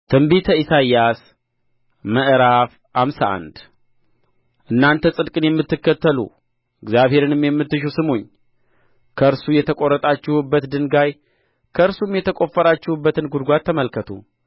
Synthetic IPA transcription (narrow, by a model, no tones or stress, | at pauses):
t̪ʰɨmbit̪ʰəisajːas | məʔɾaf | hamsaʔa̰nd̪ | ʔɨnːant̪ʰəsʼɨd̪kʼɨnjɛmːɨt̪ːɨkːət̪ːəlṵ | ɨɡzjaβhe̞ɾɨnɨmjɛmːɨt̪ːɨʃ̬usɨmoɲː | kʰəɨɾsujɛt̪ʰəkʼo̞ɾːət̪ʼat͡ʃːɪhubːət̪d̪ɨnɡaj | kʰəɨɾsumjɛt̪ʰəkʼo̞fːəɾat͡ʃːɪhubːət̪ɨnɡud̪ɡʷat̪ʰːəməlkʰət̪ʰṵ